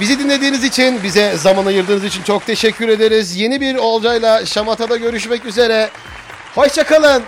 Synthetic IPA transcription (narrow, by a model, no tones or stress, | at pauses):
bizid̪inlʲe̞d̪iːnizit͡ʃʰinbizɛzamanajɯɾd̪ɯːnɯzit͡ʃʰint͡ʃʰo̞k̚t̪ʰe̞ʃɛcʰːyɾe̞d̪eɾizje̞nibiɾo̞lˠd͡ʒajlˠaʃamat̪ʰad̪aɟø̞ɾyʃmɛcyze̞ɾɛ | haʃt͡ʃʰakalˠɯn